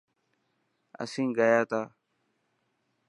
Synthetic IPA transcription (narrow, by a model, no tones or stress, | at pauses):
ə̰sĩːŋɡəjaːt̪aː